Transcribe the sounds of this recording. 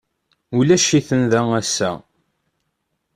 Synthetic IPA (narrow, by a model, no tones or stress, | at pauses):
ulæʃiθənðææsːæ̰